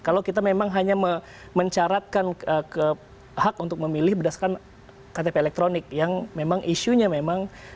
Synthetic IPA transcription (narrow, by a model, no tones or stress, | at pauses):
kalawkit̪̬amemaŋɦaɲamə | məɲt͡ʃaɾat̪̚kanəkə | hakunt̪ʊk̚məmilɪhbədasakan | kat̪epeːlɛk̚t̪ɾonɪk̚jaŋmemaŋʔiʃuɲamemaŋ